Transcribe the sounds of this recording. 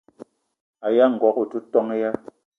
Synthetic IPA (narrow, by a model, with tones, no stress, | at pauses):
a˨ja˦ŋ̩˨ɡwɔ˨ku˦˨tu˦tɔ˦ŋe˦ja˦